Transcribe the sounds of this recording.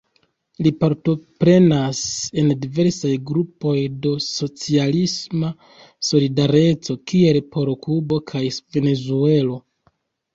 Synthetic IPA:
lipaɾto̞pɾe̞nase̞ndive̞ɾsajɡɾupo̞jdo̞so̞t͡sialisma | so̞lidaɾe̞t͡so̞kie̞lpʰo̞ɾokubo̞kʰajve̞ne̞zue̞lo̞

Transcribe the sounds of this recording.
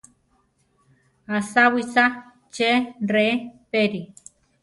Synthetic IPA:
asawisa | t͡ʃerepeɾi

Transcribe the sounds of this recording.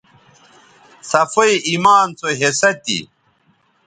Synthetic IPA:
sɐfɐiʔimaːnt͡soɦesɐt̪ḭ

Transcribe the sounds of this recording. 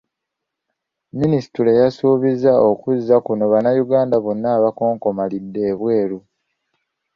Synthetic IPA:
minisi̥tuɾe̞jasuːβizːao̞kuzːakuno̞βanajuɡaːndaβo̞nːaːβako̞ːŋko̞malidːe̞ːβwe̞ːɾu

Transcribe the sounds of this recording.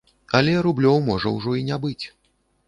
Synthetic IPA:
ɐlʲɛɾublʲɔwmɔʐɐ̰wʐɔinʲabɨt͡sʲ

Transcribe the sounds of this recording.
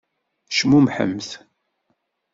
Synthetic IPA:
ʃmumħə̰mːθ

